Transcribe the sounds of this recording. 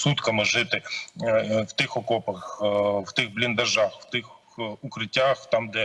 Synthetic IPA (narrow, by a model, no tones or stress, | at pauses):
sut̪kɐmɪʐɪt̪ɪ | wt̪ɪxɔkɔpɐxwt̪ɪɣblʲɪnd̪ɐʒaxw̥t̪ɪx | ukɾɪtʲːaxt̪amd̪ɛ